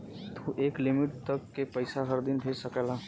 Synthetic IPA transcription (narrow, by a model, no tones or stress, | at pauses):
t̪ʰuʔeːklimiʈ̚t̪əkːepəɪsaɦəɾd̪inbʱesəkɛla